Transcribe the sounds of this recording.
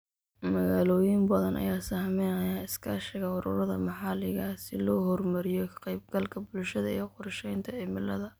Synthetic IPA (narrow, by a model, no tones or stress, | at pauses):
mɐɣaːlɔːjɪmbɐðɐnʔɐ̰jaːsaːhmɛnɐjaːɪskʰɐʃɪɣɐʊɾʊ̰ɾɐðɐ̰mɑħɑlɪɣasɪlɔːɦɔrmɐɾɪjɔkʰɐ̥qɛjb̚ɡɐlkʰɐbʊlʃɐðɐḭqʊrʃɛjnt̪ʰɐɛmɪlɐðɐ